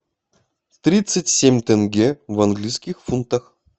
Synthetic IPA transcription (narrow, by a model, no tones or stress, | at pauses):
t̪ɾʲit̪sɨtʲsʲemʲt̪ɛnɡʲevɐnɡlʲijsʲkʲɪxfunt̪əx